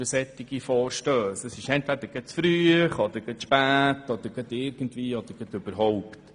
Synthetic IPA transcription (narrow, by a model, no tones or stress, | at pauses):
əsɛt̪ːɪɡ̥ifɔːɾʃtøːsəsɪʃɛntvæd̪əɾɡ̥ətsfɾyːəχɔd̪əɾɡətʃpæːtɔd̪əɾɡ̥ədɪːɾɡən̩tvʋiːɔd̪əɾɡ̥ədʉb̥əɾɦɔʊpt